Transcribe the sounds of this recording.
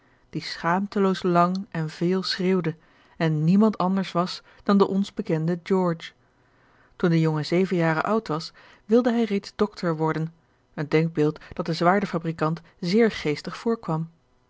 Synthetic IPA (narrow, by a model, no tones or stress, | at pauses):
d̥isχaːmtəlowslɑŋɛnvɪːlˠsreːwdə | ɛnːimɑntɑndəɹsʋɑs | d̥ɑndəʔɔnzbəkɛndəd͡ʒɔɹt͡ʃ | tundəjɔŋəzejvənjaːrə̰ʔʌwtʋɑs | ʋɪlˠdəɦɛjrejdzdɔktʰəɹʋɔɹdən | əndɛŋɡ̚bɪːlˠtd̥ɑt̚dəzʋaːɹdəfabrikɑnt | zɪːɹχejstəχfʊːɹkʋɑm